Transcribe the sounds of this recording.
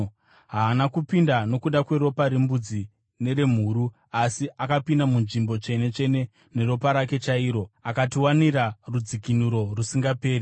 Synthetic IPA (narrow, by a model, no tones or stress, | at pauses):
ɦaːnakupindano̞kuɗakwe̞ɾo̞paɾimbud͡zi | ne̞ɾe̞m̤uɾu | asiakapindamunʐimbo̞t͡ʃe̞ne̞t͡ʃe̞ne̞ | ne̞ɾo̞paɾake̞t͡ʃaiːɾo̞akatiwaniɾarud͡zikinuɾo̞rusiŋɡape̞ːɾi